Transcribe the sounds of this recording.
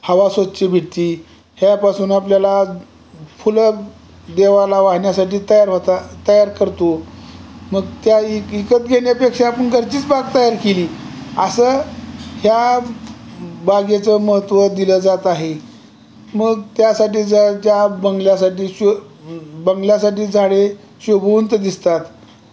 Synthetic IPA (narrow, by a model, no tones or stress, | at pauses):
həʋasot̪t͡ɕibʱiʈ̚t̪iː | hjapasuːnapljala | fulə | d̪eʋalaʋaɦɳjasaʈiːt̪əjaɾɦot̪at̪əjaɾkəɾt̪o | məɡt̪jaikət̪ɡʱeɳjepekʂeapəɳɡʱəɾt͡ɕiːt͡sbaɡ̚t̪əjaɾkeliːəsəːhja | baɡet͡səːməɦət̪ʋəd̪iləd͡zat̪aɦe | məɡt̪jasaʈiːd͡zt͡ɕjabəŋɡljasaʈiːɕ | bəŋɡljas̬aʈiːd͡zʱaɽe | ɕəbʱəʋənt̪əd̪ist̪at̪